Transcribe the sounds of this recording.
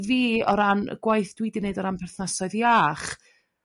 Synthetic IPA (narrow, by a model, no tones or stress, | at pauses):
viːɔɾan̰ɡ̥wajθd̥wɪdɪneɨdɔɾanpʰɛrθnasɔɨðjaːχ